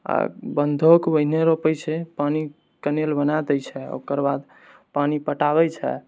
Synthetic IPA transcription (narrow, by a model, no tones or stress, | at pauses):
a̰bənd̪ʱokbəɦneɾopəjt͡ʃʰɛpani | kənelbənad̪əjt͡ʃʰɛo̰kəɾbad̪ | panipəʈaβɛt͡ʃʰɛ̰